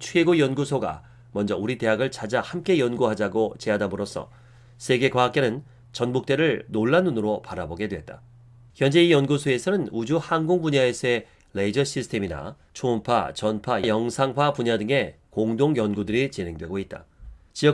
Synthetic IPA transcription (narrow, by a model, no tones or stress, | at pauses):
t͡ɕʰwe̞ɡojʌnɡusʰoɡa̰ | mʌnd͡ʑʌuɾite̞ɦaɡɯɭt͡ɕʰad͡ʑahamk͈e̞jʌnɡuɦad͡ʑaɡot͡ɕe̞ɦadamoɾos͈ʰʌ̰ | sʰe̞ɡe̞kwaɦak͈e̞nɯn | t͡ɕʌnmuk̚t͈e̞ɾɯɭnoɭːanːunɯɾopaɾaboɡe̞dwe̞t̚t͈a | çjʌnd͡ʑe̞ijʌnɡusʰoe̞sʰʌnɯnud͡ʑuhanɡoŋpuɲaesʰʌe̞ | leid͡ʑʌɕ͈ʰisʰtʰe̞mina̰ | t͡ɕʰoːmpʰa̰t͡ɕʌnpʰajjʌŋsʰaŋpʰapuɲadɯŋe̞ | koŋdoŋjʌnɡudɯɾit͡ɕine̞ŋdwe̞ɡoit̚t͈a̰t͡ɕiʌ